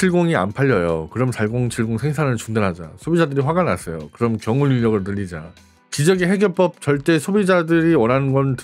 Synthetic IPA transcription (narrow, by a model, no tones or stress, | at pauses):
t͡ɕʰiɭɡoŋia̰npʰaʎːʌjo̰kɯɾʌmsʰaɭɡoŋt͡ɕʰiɭɡoŋsʰe̞ŋsʰanɯɭt͡ɕuŋdanɦad͡ʑa̰sʰobid͡ʑadɯɾiɸwaɡana̰s͈ʰʌjo̰kɯɾʌmkjʌŋunuʎːʌɡɯɭnɯʎːid͡ʑa | kid͡ʑʌɡeɦe̞ɡjʌɭp͈ʌp̚t͡ɕʌɭt͈e̞sʰobid͡ʑadɯɾiwʌnɦannɡʌnt